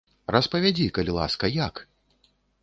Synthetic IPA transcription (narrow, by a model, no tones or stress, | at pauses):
ɾɐspɐvʲad͡zʲikɐlʲilˠa̰skɐjak